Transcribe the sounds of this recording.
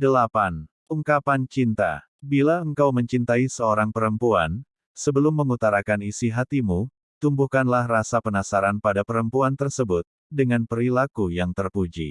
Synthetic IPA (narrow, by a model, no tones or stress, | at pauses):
dəlapan | uŋkapant͡ʃint̪a̰ | bilaəŋkawməɲt͡ʃint̪aisəoɾaŋpəɾəmpuan | səbəlʊmːəŋut̪aɾakanisiɦat̪imu | t̪umbuhkanlahrasapənasaɾanpadapəɾəmpuant̪ərsəbʊt̪̚ | dəŋanpəɾilakujaŋt̪ərpud͡ʒḭ